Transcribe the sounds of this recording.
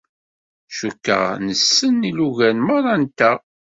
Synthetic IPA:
ʃukːə̰ʁnəsːənːiluʝænməɾˤɑnt̪æ

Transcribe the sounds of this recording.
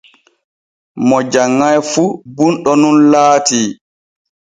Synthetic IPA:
mɔd͡ʒaŋːajfubunɗɔnunlaːtiː

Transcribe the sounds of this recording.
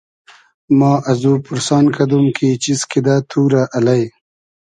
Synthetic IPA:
mɑːʔɐzuːpuɾsɑːnkad̪umkʰit͡ʃiskid̪at̪ʰuːɾaʔɐlaj

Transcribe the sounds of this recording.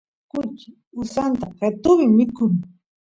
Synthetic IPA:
kʊt͡ʃɪ | ʊsant̪aqet̪ʊmɪmɪkʊŋ

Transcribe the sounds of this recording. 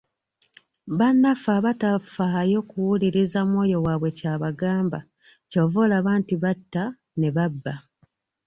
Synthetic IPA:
βanːafaβatafaajo̞kuwuliɾizamwo̞ːjo̞waːβwe̞caːβaɡaːmba | covolaβaːntiβatːa | ne̞βabːa

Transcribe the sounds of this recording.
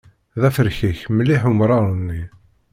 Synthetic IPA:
ðæfəɾçiçməlːiħumɾˤɑɾˤənːi

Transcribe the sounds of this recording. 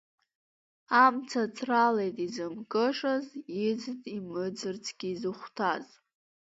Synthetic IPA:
amt͡sʰat͡sʰʼralejtʼizɨmkʼɨʂazɪd͡ztʼimɨd͡zɨrt͡sʰɡ̥ʲiːzɨχʷtʰaz

